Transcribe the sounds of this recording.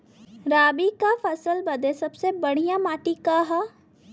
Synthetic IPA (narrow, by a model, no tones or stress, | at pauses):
ɾaːbikafʰəsəlbɐd̪esɐbsebəɽ̤ijãmaːʈikaɦa